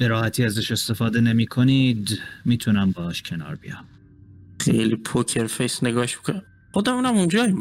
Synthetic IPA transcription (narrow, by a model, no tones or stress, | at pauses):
b̥eɾɒːhæt̪ʰiːæzæʃe̞st̪e̞fɒːd̪ene̞miːkʰoniːd̪miːt̪ʰunæmbɒːɒːʃcʰe̞nɒ̰ːɾbḭjɒ̰m | xḛjlipʰokʰeɾfejsneɡɒːhʃmikon | χod̪æmuːnæmund͡ʒɒːim